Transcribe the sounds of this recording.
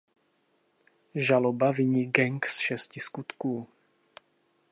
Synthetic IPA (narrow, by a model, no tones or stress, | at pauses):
ʒalɔbaviɲiːɡɛŋksʃɛsciskut̪kuː